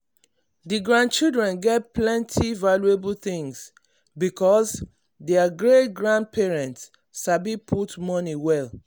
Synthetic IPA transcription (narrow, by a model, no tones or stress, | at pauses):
diɡɹãnd̚t͡ʃilˠdɹɛ̃nɡɛt̚pʰlɛ̃ntʰivaluebulθĩŋs | bikɔs | deaɡɹetɡɹãnd̚pʰɛɹɛ̃nts | abipʰutmɔniwɛl